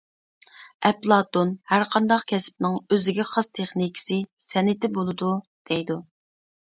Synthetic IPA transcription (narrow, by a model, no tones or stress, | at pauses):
ɛplˠɑt̪onhæɾqʰɑnd̪ɑqkʲʰɛsɪ̥p̚nɪŋøzɪɡʲɛχɑst̪ʰeχnikʲʰɪ̥sɪsɛnɪt̪ɪbolˠɨd̪u | d̪̥ɛjd̪u